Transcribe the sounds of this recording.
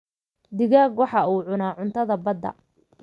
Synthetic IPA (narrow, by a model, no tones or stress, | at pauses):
d̪ɪɣaːɡwɑħɑuːʕʊnaːʕʊnt̪ʰɐðɐbɐd̪ːɐ̰